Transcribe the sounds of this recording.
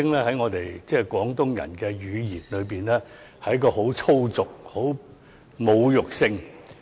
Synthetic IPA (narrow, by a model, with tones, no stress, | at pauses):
ɪ˥ŋlɛː˥hɐ˨˥jŋɔː˨˧t̪e˨jt͡sɛː˥˩kwɔː˨˥ŋt̪ʊ˥ŋjɐ̰˨˩nkɛː˧jyː˨˧jiː˨˩nlɵ˨˧piː˨˩nlɛː˥ | hɐ˧˥jkɔː˧ɦo˨˥wt͡sʰo˥wt͡sʊ˨k̚ho˨˥w | mo˨˧wjʊ˨k̚sɪ˧ŋ